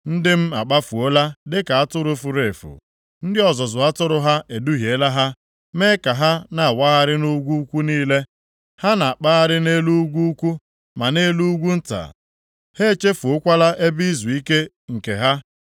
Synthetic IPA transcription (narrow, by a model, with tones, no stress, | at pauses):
n̩˦dɪ˦m̩˦a˨k͡pa˦fu˨o˦la˦dɪ˦ka˨a˦tʊ˦ɾʊ˦fu˨ɾe˨fṵ˨ | n̩˦dɪ˦ɔ˨zɔ˨zʊ˨a˦tʊ˦ɾʊ˦ɦa˦ʔe˨du˦ɦje˨˦la˦ɦa˦ | me˦ka˨ɦa˦na˨a˨wa˦ɣa˦ɾɪ˦nu˦ɡʷu˦kʷu˦niː˦le˦ | ha˦na˨a˨k͡pa˦ɣa˦ɾɪ˦ne˦lu˦ɡʷu˦kʷu˦ | ma˨ne˦lu˦u˦ɡʷu˦n̩˦ta̰˨ | he˦t͡ʃe˦fu˨ʊ˦kʷa˦la˦ʔe˦bi˦zu˨i˦ke˦ | ŋ̩˨ke˨ɦa˦